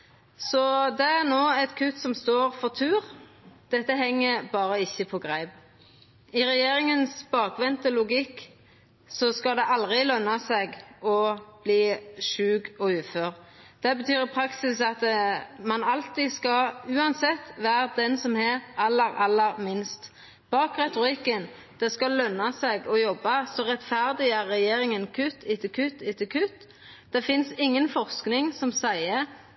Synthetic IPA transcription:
sɔd̪ɛæʁnoːɛt̪kʰʉt̪sɔmst̪oːʁfɔʁt̪ʰʉːʁd̪̥ɛt̪ːəɦɛŋːəbɑːʁəɪçːəpʰɔɡʁæɪb | ɪʁɛjeːɾɪŋənsbɑːkʋɛnt̪əlʊɡɪkː | sɔskɑd̪ɛʔɑld̪ʁɪlœnːɑsɛɡɔb̥liːʃʉːɡɔʉːføːʁd̪̥ɛbət̪ʰyːɾpʰʁɑksɪsɑt̪mɑnɑlt̪iskɑʉːɑnsɛt̪ːʋæːɾd̪ɛnsɔmhæɾʔɑlːəɾɑlːəɾmɪnst̪ | b̥ɑːkʁɛt̪ʊɾɪkːən | d̪̥ɛskɑlœnːɑsɛɡɔjɔbːɑsɔʁɛt̪fæʁd̪ɪæʁːɛjeːɾɪŋənkʰʉt̪ʰːɪt̪ʰəkʰʉt̪ːɪt̪ʰəkʰʉt̪ː | d̪̥ɛfɪnsɪŋːənfɔʁsknɪŋsɔmsæɪə

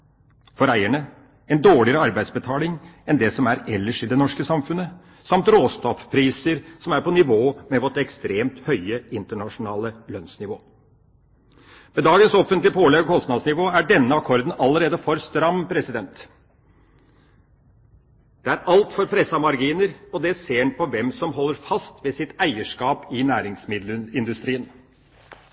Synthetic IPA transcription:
fɔɾæɪəɳə | ɛnd̪oːɭɪəɾəɑɾbæɪsbət̪ʰɑːlɪŋɛnd̪ɛsɔmæɾɛlːəʂɪd̪ɛnɔʂkəsɑmfʉnːə | sɑmt̪ɾoːst̪ɔfpʰɾiːsəɾsɔmæɾpɔnɪʋoːmɛʋɔʈ̪ɛkst̪ɾeːmt̪hœʏəɪnt̪əɳɑʂʊnɑːləlœnsnɪʋoː | mɛd̪ɑːɡənsɔfːənt̪lɪəpʰoːlɛɡkʰɔst̪nɑd̪snɪʋoːæɖɛnːəɑkʰɔɾd̪ənɑlːəɾeːd̪əfɔɾst̪ɾɑmpʰɾɛsɪd̪ɛnt̪ | d̪̥ɛæɾɑlt̪fɔɾpʰɾɛsːɑmɑɾɡiːnəɾɔd̪ɛseːɳpʰɔʋɛmsɔmɦɔlːəɾfɑst̪ʋɛsɪt̪æɪəʂkɑːpɪnæːɾɪŋsmɪd̪ləɪnd̪ʉst̪ɾiːən

